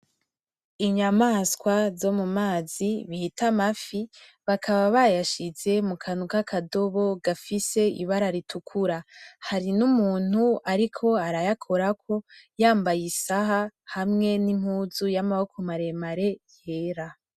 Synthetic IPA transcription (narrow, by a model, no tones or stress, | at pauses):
iɲamaːskwazo̞mumaːziβihitʰamafi | βakʰaβaβajaʃize̞mukʰanukakʰado̞βo̞ɡafise̞ḭβaɾaɾitʰukʰuɾahaɾinumuːn̥huaɾikʰo̞aɾajakʰoɾakʰo̞jaːmbajisaɦahamŋe̞nim̥huːzujamawokʰumaɾe̞maɾe̞je̞ːɾa